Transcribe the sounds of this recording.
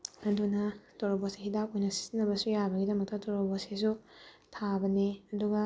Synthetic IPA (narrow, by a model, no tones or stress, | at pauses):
ɐdunɐtoɾoboseɦidap̚ojnɐsi̥zinɐbɐsujabɐɡidɐmɐk̚tɐtoɾoboses̬u | tʰabɐniɐduɡɐ